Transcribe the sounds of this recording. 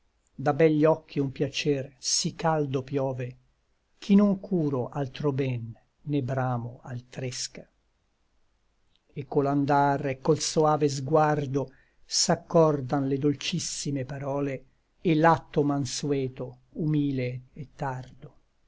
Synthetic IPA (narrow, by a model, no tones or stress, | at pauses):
d̪abɛʎːɔkʰːiumpjat͡ʃɛrsikːald̪opjɔːve | k̟ʰinoŋkʰuːɾoʔalt̪ɾobɛnː | ebɾaːmoalt̪ɾeska | ekːoland̪arekːolsoaːvezɡward̪o | sakːɔrd̪anled̪olt͡ʃisːimepaɾɔːleː | lːat̪ːomanswɛːt̪o | umiːleet̪ːard̪o